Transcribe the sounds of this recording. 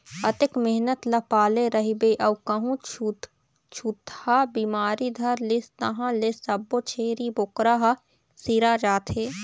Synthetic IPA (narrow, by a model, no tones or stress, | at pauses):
ɐt̪ɪkmɪɦnət̪lɐpaːleɾɐɦibeʔɐwkɐɦũ | t͡ʃʰut̪habiːmaːɾid̪ʱɐɾlest̪ɐɦãlesɐbːot͡ʃʰeːɾibokɾaɦa | siɾad͡ʒaːt̪ʰɦeː